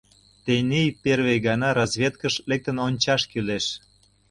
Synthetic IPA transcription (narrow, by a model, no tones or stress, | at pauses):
t̪enejperβejɣɑnɑɾɑzβʲet̪kəʃlek̚t̪ə̆nonʲt͡ɕɑʃkyleʃ